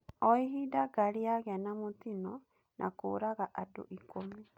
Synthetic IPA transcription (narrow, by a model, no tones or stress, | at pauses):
ɔiɦidaɡaɾiaɣeanamotinɔ | nʔakoːɾaɣaʔado̰ʔikomi